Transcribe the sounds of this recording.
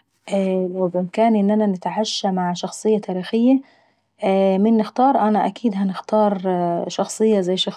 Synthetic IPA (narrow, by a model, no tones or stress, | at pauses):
ʔælawbʔɪmkæːnʔɪnːænænɪt̪ʕaʃːæmaʕʃɑxsˤɨjːɑt̪ʰæːɾiːxɪjːæ | mɪnːɪxt̪ɑːɾˤʔænæʔækiːd̪ɦænɪxt̪ɑːɾˤʃɑxsˤɨjːɑzæjːʃɑx